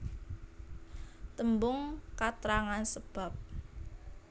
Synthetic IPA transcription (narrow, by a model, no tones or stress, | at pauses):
t̪əmbʊŋkat̪ɾaŋansəb̥a̤p̚